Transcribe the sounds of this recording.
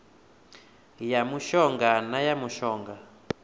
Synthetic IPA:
jamuʃɔŋɡanajamuʃɔːŋɡa

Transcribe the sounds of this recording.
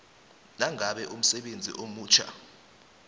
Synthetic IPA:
naŋʱaɓɛʔum̩sɛɓend͡zʱḭʔomuːt͡ʃʰa̰

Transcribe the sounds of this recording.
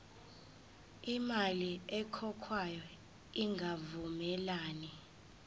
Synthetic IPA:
imaliɛkʰɔkʰwajɔ | iŋɡʱavumɛlaːni

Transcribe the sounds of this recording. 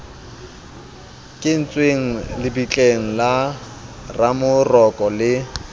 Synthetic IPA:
kʼɪn̩t͡sʼweŋ̩lɪbit͡ɬʼeŋ̩la | ramʊrɔkʼɔlɪ

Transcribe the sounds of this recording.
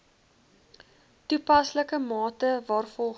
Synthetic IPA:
tupɐsləkəmɑːtəvɑːrfɔlˠ

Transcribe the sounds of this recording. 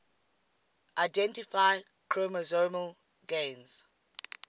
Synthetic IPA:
ʔaɪdɛ̃ntifaɪ | kʰɹoməzoməl | ɡẽnz̥

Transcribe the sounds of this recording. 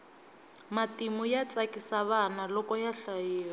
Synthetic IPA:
matimujat͡sakisaβanalɔkɔjaɬajiːwa

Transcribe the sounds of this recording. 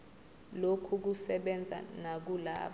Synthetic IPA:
lokʰuk̬usɛɓɛnd͡zʱa̰nak̬ula̰ː

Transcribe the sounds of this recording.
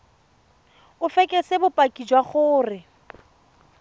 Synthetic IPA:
ʊfɛkʼɛsɪbʊpʼakʼid͡ʒwaχʊːrɪ

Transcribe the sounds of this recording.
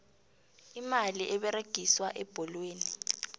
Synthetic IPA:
imaliʔɛɓɛɾeɡ̥ʱiswaʔɛb̥ʱɔlweːni

